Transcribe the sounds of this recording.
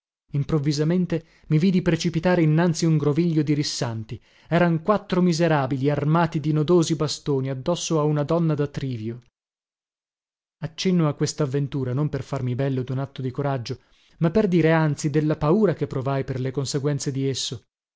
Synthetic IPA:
impɾovːizament̪e | miviːd̪ipɾet͡ʃipit̪aːɾeinːant̪siuŋɡɾoviʎːod̪iɾisːant̪i | ɛːɾaŋkwat̪ːɾomizeɾaːbiliarmaːt̪id̪inod̪oːzibast̪oːniad̪ːɔsːoaunad̪ɔnːad̪at̪ɾiːvjo | at͡ʃːenːoakːwest̪aːvːent̪uːɾanomperfarmibɛlːod̪unat̪ːod̪ikoɾad͡ʒːo | mapːerd̪iːɾeant̪sid̪elːapauːɾakepːɾovajperlekonseɡwɛnt̪sed̪iesːo

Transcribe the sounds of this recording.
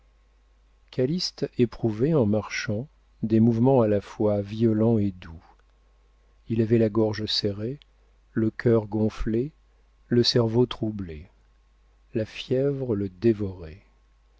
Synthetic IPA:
kʰalist̪epχuvɛɑ̃maʁʃɑ̃ | d̪emuvmɑ̃alafwaviɔlɑ̃ed̪u | ilavɛlaɡɔʁʒəsɛʁe | ləkʲʰœʁɡɔ̃fle | ləsɛʁvot̪χuble | lafjɛvʁələd̪evɔʁɛ

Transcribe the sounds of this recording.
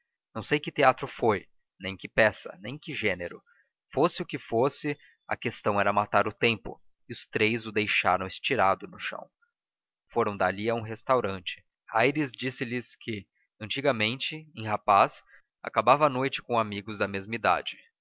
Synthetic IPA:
nɐ̃w̃sejkɪt̪eat̪ɾʊfoj | nẽj̃kɪpɛsɐ̰nẽj̃kɪʒeneɾʊ | fosɪʊkɪfosɪ | ɐ̰kest̪ɐ̃w̃ɛɾɐmat̪aɾʊt̪ẽmpʊ̰ | ɪʊst̪ɾejzʊd̪ejʃa̰ɾɐ̃w̃ɪst͡ʃiɾad̪ʊnʊʃɐ̰̃w̃ | foɾɐ̃w̃d̪aliɐũɦest̪awɾɐ̃nt͡ʃɪ̥ | ajɾɪzd͡ʒisɪlɪskɪ | ɐ̃nt͡ʃiɡɐmẽnt͡ʃɪẽj̃ɦapas | a̰kabavɐːnojt͡ʃɪ̥kõamiɡʊzd̪ɐmezmɐid̪a̰d͡ʒɪ

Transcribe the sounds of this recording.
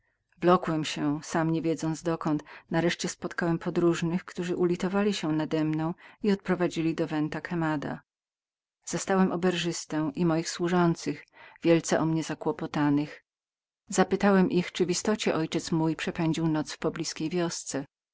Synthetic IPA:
vlɔkwɛmɕɛsamɲevʲjɛd̪zɔnd̪zd̪ɔkɔnt̪naɾɛʂt͡ɕɛspɔt̪kawɛmpʰɔd̪ɾuʐnɘxkt̪uʐɘʔulʲit̪ɔvalʲiɕɛnad̪ɛmnɔ̃w̃iɔt̪̚pɾɔvad͡ʑilʲid̪ɔvɛnt̪akɛmad̪a̰ | z̥ast̪awɛmʔɔbɛɾʐɘst̪ɛw̃ʔimɔjixswuʐɔnt̪sɘxvʲjɛlt̪sɛʔɔmɲɛzakwɔpɔt̪anɘx | z̥apɘt̪awɛmʔixt͡ʂɘvist̪ɔt͡ɕɛʔɔjt͡ʂɛt̪smujpʂɛpɛɲd͡ʑiwnɔt̪sfpɔblʲiskʲejvʲjɔst̪sɛ

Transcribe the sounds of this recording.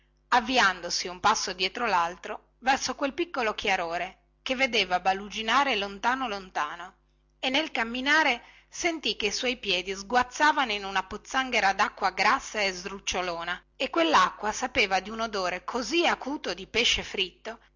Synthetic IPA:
avːiand̪osiumpasːod̪jɛːt̪ɾolalt̪ɾo | vɛrsokwelpikːolokjaɾoːɾe | kevːed̪eːvabalud͡ʒinaːɾelont̪aːnolont̪aːno | enːelkamːinaːɾe | sent̪ikːeiswɔjpjɛːd̪izɡwat̪sːaːvanoinunapot̪sːaŋɡeɾad̪akːwaɡɾasːaezɾut͡ʃːoloːna | ekːwelːakːwasapeːvad̪iunod̪oːɾekʰoziakuːt̪od̪ipeʃefɾit̪ːo

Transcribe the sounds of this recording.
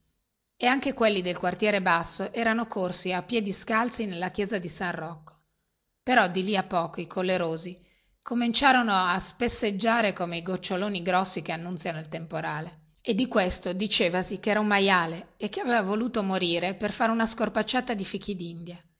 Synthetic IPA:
eaŋkekwelːid̪elkwart̪jɛːɾebasːoʔɛːɾanokʰorsiapːjɛːd̪iskalt̪sinelːakjɛːzad̪isanrɔkːo̥ | peɾɔd̪iliapːɔːkoikʰolːeɾoːzi | kʰomint͡ʃaːɾonoaspesːed͡ʒːaːɾekomeiɡot͡ʃːoloːniɡɾɔsːikeanːunt̪sjanoilt̪empoɾaːle | ed̪ːikwest̪od̪it͡ʃeːvasikeɛːɾaumːajaːleːkːeaveːvavoluːt̪omoɾiːɾeperfaɾeunaskorpat͡ʃːaːt̪ad̪ifikid̪ind̪ja

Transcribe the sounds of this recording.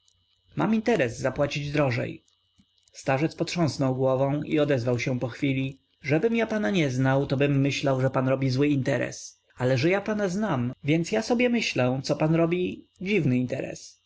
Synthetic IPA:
ma̰mint̪ɛɾɛzːapwat͡ɕid͡ʑd̪ɾɔʐɛ̰j | st̪aʐɛt̪spɔt̪ʂɔ̃snɔwɡwɔvɔ̃w̃ḭɔd̪ɛzvawɕɛpɔxfʲilʲi | ʐɛbɘmjapanaɲɛznawt̪ɔbɘmːɘɕlawʐɛpanɾɔbʲizwɘint̪ɛɾɛ̰s | alɛʐɛjapanaznamvʲjɛnt̪sjasɔbʲjɛmɘɕlɛ̃t̪sɔpanɾɔbʲi | d͡ʑivnɘint̪ɛɾɛ̰s

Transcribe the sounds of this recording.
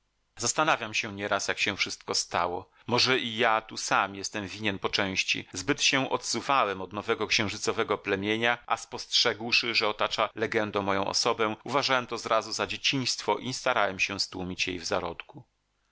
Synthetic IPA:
zast̪anavʲjamɕɛ̃ɲɛɾasjakɕɛ̃fʂɘst̪̚kɔst̪a̰wɔ | mɔʐɛʔijat̪usamjɛst̪ɛmvʲiɲɛnpɔt͡ʂɛ̃w̃ɕt͡ɕḭzbɘt̪ɕɛʔɔt̪suvawɛmɔd̪nɔvɛɡɔkɕɛ̃w̃ʐɘt̪sɔvɛɡɔplɛmʲjeɲaʔa̰spɔstʂɛɡwʂɘʐɛɔt̪at͡ʂalɛɡɛnd̪ɔ̃mɔjɔ̃w̃ʔɔ̰sɔbɛ̃uvaʐawɛmt̪ɔzɾʔazuzad͡ʑet͡ɕiɲ̃st̪fɔʔist̪aɾawɛmɕɛst̪wumʲit͡ɕjḛjvzaɾɔt̪ku

